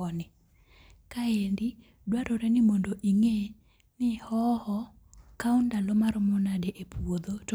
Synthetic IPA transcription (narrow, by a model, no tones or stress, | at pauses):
ɔnɪ | kaendi | dwaɾoɾɛnɪmondoʔiŋe | nɪhɔhɔ | kaundalɔmaɾɔmɔnadeʔepwod̪ot